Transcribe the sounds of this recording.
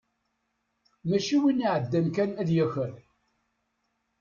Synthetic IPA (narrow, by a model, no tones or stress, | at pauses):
mæʃiwiniʕəd̪ːænkænæðjæçəɾ